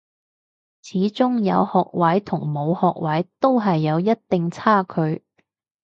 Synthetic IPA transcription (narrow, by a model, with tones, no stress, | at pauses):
t͡sʰiː˨˥t͡sʊ˥ŋjɐ˨˧whɔː˨k̚wɐ˨˥jt̪ʰʊ˨˩ŋmo˨˧whɔː˨k̚wɐ˨˥jt̪o˥wɦɐ˨jːɐ˨˧wjɐ˥t̚t̪ɪ˨ŋt͡sʰaː˥kʰɵ˨˧ɥ